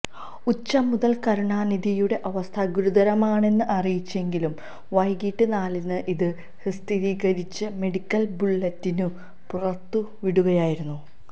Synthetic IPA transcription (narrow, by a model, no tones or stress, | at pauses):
ut͡ɕːɐmːuðɐlkɐɾuɳaːnid̪ijuɽe̞ʔɐʋɐst̪ʰɐɡuɾuðɐɾɐmaːɳe̞nːɨʔɐrijit͡ɕːe̞ŋɡilum | ʋɐjɡiːʈːɨnaːlinːɨʔiðɨ | hist̪ʰiɾiːɣɐɾit͡ɕːɨme̞ɽikʲːɐlbuɭːɐtːinu | purɐt̪ːu | ʋiɽuɣɐjaːjiɾunːu